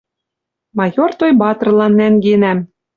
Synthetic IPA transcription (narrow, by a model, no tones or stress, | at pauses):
mɑjort̪ojbɑt̪̆rlˠɑnːæŋɡenæm